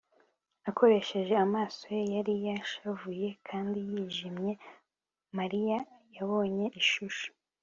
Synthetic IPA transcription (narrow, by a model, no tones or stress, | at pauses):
akʰo̞ɾe̞ʃe̞ʒe̞amaːso̞jejaɾijaʃavuje̞kʰaːndijiːʒimɲe̞ | maɾijajaβo̞ːɲe̞ʔiʃuʃu̥